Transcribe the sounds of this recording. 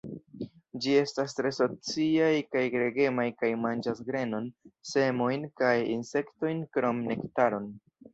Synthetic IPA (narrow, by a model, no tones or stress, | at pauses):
d͡ʒie̞stastɾe̞so̞t͡siajkajɡɾe̞ɡe̞majkajmand͡ʒasɡɾe̞no̞nse̞mo̞jnkajinse̞kto̞jnkɾo̞mne̞ktaɾo̞n